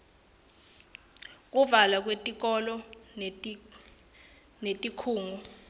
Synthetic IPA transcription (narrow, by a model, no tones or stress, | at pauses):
k̬uvalak̬wetʼik̬ɔlɔ | netʼikʰuːŋɡɔ